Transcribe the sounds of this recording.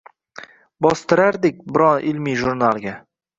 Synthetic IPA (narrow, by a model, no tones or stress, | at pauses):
bɒst̪ɪɾaɾd̪ɪk̚ʲbɪɾɒnʔɪlmiʒʊɾnalˠɡʲa